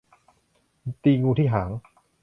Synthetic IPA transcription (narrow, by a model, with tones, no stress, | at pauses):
t̪iː˧ŋuː˧t̪ʰiː˥˩ɦaː˩˦ŋ